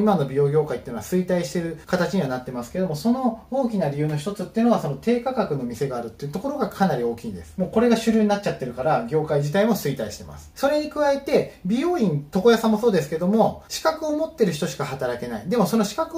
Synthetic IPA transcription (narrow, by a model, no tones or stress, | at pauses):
imanobʲio̞ːɡʲo̞ːkait̪ːɯnoasɨit̪aiɕi̥t̪e̞ɾɯ̟kat̪at͡ɕiɲ̟iβanat̪ːe̞masɨ̥ke̞d̪o̞mo̞so̞no̞oːkʲinaɾʲijɯ̟ːnoçi̥t̪o̞t͡sɨt̪ːeiɯ̟noaso̞no̞t̪e̞ːkakakɯ̟no̞mʲise̞ɡaːɾɯ̟t̪ːeiɯ̟t̪o̞ko̞ɾo̞ɡakʰanaɾʲio̞ːkʲiːnd̪e̞sɨ̥mo̞ːko̞ɾe̞ɡaɕɨɾʲɯːɲ̟inat͡ɕ̚t͡ɕat̪ːe̞ɾɯ̟kaɾaɡʲo̞ːkaiʑit̪aimo̞sɨit̪aiɕi̥t̪e̞̰ma̰sɨ̥so̞ɾe̞ɲ̟ikɯ̟βaet̪e̞bʲio̞ːĩnt̪o̞ko̞jasãmːo̞so̞ːd̪esɨ̥ke̞d̪o̞mo̞ɕi̥kakɯ̟o̞mo̞t̪ːe̞ɾɯ̟ç̬i̥t̪o̞ɕi̥kahat̪aɾake̞na̰id̪e̞mo̞so̞noɕi̥kakɯ